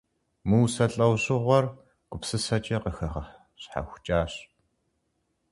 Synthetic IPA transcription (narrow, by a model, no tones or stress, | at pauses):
muːsɐɬʼɐwʑɨʁʷɔr | ɡ̥ʷʊpsɨsɐt͡ʃʼɐqəxɐχɐ | ɕħa̰xʷt͡ʃʼaːɕ